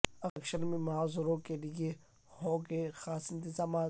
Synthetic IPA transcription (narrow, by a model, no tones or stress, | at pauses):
ɐəkʃəɾmẽmʊɦaːzɪɾõkelɪje | hõːɡexaːsɪ̃nt̪ɪzaːmaː